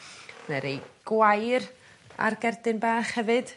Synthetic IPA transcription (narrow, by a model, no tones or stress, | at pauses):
nɛɾejɡ̥wajɾ | a̰rɡɛrdɨnbaːχhɛvɨd̥